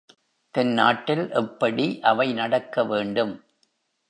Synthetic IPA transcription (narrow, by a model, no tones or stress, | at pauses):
t̪ɐnna̰ːʈːɪlʔɛpːɐɽiʔɐʋɐɪnɐɽɐkːɐʋeːɳɖɯm